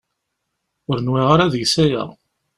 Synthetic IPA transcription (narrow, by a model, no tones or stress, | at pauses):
ʊɾənwiʁaɾaðəʝsæjæ̰